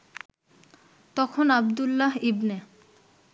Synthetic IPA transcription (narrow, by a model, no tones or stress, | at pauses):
t̪ɔkʰonabd̪ulːaɦibne